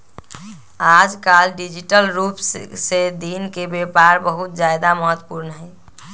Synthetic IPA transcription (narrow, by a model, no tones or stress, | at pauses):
ad͡ʒkalɖid͡ʒiʈəlɾupssed̪inkebepaɾbəɦut̪̚d͡ʒjajd̪aməɦət̪wə̥puɾnɦɛ